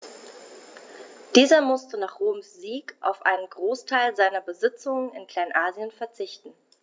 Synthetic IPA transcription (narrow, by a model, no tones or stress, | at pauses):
d̥iːzɐmʊstənaːχʁ̥oːmsz̥iːkʔa̰ʊfʔa̰ɪnənɡʁoːstʰaɪlzaɪnɐbəzɪt͡sʊŋənɪnkl̥aɪnʔaːzjənfɛɐt͡sɪçtn̩